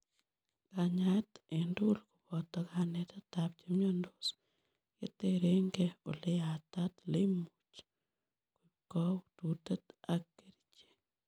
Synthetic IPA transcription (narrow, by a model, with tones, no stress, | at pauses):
ka˨ɲa˦te˨ndu˦lko˨pɔ˨tɔ˧ka˨ne˨t̪a˦t̪ap̚t͡ʃemɲo˦ndos | kḛ˦t̪e˦ɾe˦ŋɡeo˨le˦a˨ta˦t̪le˦mu˨t͡ʃ | ko˨ikɔ˦t̪u˨te˦t̪a˦kːe˦ɾit͡ʃe̥˨